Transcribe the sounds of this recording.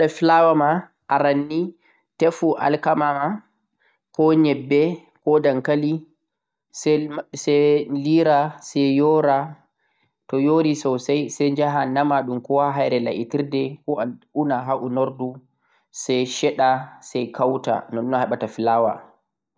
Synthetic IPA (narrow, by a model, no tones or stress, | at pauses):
ɗafilawama | ʔaɾanːi | tefuʔa̰lkamama | kɔɲɛbːɛ | kɔdaŋkali | sɛsɛliɾasɛjɔɾa | tɔjoɾisɔwsajsɛɲd͡ʒaɦanamaɗumkɔwaɦajɾɛla̰ʔitiɾdɛkɔaunaɦaʔunoɾdu | sɛjʃɛɗasɛjkʰawta̰nɔnːɔhɛɓatafilaːwa̰